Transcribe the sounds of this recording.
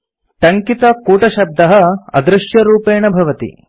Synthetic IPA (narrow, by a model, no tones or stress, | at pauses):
ʈɐŋkit̪ɐkuːʈɐʃɐb̚d̪ɐɦɐɐ̰d̪ɾɪʃjɐɾuːpeːɳɐbʱɐʋɐt̪ḭ